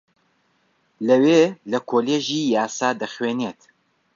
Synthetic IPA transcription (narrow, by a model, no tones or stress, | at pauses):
lɐweːlɐkʰoːleːʒiːjaːsaːd̪ɐxweːneːt̪